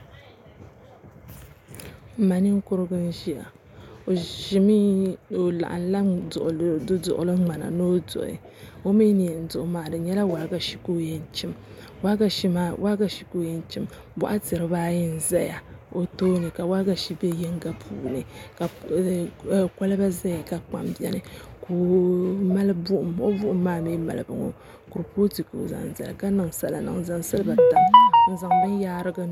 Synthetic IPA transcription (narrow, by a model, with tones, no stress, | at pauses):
m̩˨ma˨ni˦ŋ˦kʊ˦ɾɨ˦ɡɨ˦n˦ʒi˦ja̰˨ | o˨ʃi˦mi˦o˨la̰˨ʔa̰˨nla˦ʊ̰˨ʔdɨ˦dʊ̰˨ʔʊ̰˨lɨ˦ŋ͡ma˨na̰˨no˦dʊ̰˨ʔɪ̰˨ | o˦mi˦ni˨ɛ˨n̩˦dʊ˨ʔʊ˨maː˨dɨ˨ɲɛ˦la˦wa˨˦ɡa˦ʃi̥˨ko˦jɛ˦n˦t͡ʃi˦m | wa˦ɡa˦ʃi˦ma˦wʔa˦ɡa˦ʃi˨ko˦jɛ˦n˦t͡ʃi˦m | bɔ̰˦ʔa˦tɨ˨ɾɨ˦baː˦jɪ˦n̩˨za˦ja˨o˨to˦nɨ˨ka˨wa˦ɡa˨ʃi˦bɛ˦jɛ˦ŋ˦ɡa˦pʰuː˨nɨ˨ka˨ | ka˦lɨ˦ba˦za˦ja˨ka˨k͡pa̰˨mbi˦ɛ˨nɨ˨ko˨ma˦lɨ˦bu˦ʔʊ˨mo˦bʊ˦ʔʊ˦mːaː˦miː˦ma̰˨lɨ˨bɨ̰˨ŋo̰˦ | ku˨ɾpo˦ti˨ko̰˨za̰˨n˨za̰˨l̰ka˦nɨ˨ŋsa̰˨la̰˨nɨ̰˨ŋ˨za˨ŋsɨ˦lɨ˦ba˨ta˨mn̩˨za˨ŋbɨ˦n˦jaː˦ɾɨ˦ɡa˦